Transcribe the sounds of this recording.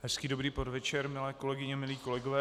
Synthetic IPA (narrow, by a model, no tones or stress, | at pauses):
ɦɛskiːdobɾiːpodvɛt͡ʃɛɾmɪlɛːko̞lɛɡɪɲɛmɪliːko̞lɛɡovɛː